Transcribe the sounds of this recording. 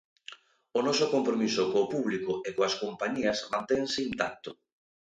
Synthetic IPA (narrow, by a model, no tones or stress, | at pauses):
ʊnɔsʊkompɾomisʊkoːpuβlikʊekoaskompaɲiɐsmãnt̪eŋsɪint̪ak̚t̪ʊ